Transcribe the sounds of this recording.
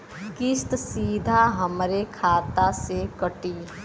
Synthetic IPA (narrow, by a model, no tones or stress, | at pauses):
kɪst̪siːd̪ʱaɦəmɾekʰaːt̪asekəʈiː